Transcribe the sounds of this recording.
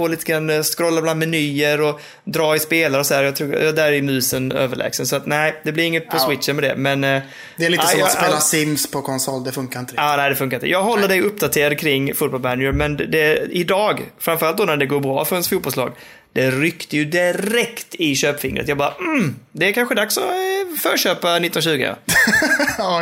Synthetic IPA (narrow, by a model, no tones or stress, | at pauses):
foːliːt̪əɡɾanːskɾɔlːabland̪mɛnyːəɾɔ | d̪ɾɑːɪspeːlaɾəɔsɔd̪æːɾjɑːt̪ʰɾuːd̪æɾɪmʉ̟ːsənø̰ːvəɭʔɛ̰ːɡsənsɔat̪næɪd̪ɛblɪɾɪŋːət̪̚pʰɔswɪt̪ʂənmɛd̪ɛ̰mɛn | d̪ɛɛliːseːlasɪmspʰɔkʰɔnsɔlːd̪ɛfɵŋkaɾɪnt̪əɾɪnæɪd̪ɛfɵŋk̬aɾɪnt̪əjɑːɡɦɔlːəɖɛjɵpːd̪at̪ʰeːɾad̪kʰɾɪŋːfʊːt̪̚bɔlmænʏɾmɛnd̪ɛɪd̪ɑːɡfɾamfœɾalt̪d̪oːnæɖɛɡoːɾbɾɑ̰ːfœɾhɛnsfuːt̪bɔlslɑ̰ːɡ | d̪̥ɛɾʏkt̪əjɵd̪ɪɾɛkt̪ɪɕøːpfɪŋːɾʔə̰jɑɡbɑːɾam̩d̪ɛæɾkʰanɧəd̪aksɔfœːɾɕøːpanɪt̪ːɔnnaɕʉ̟ːɡə̰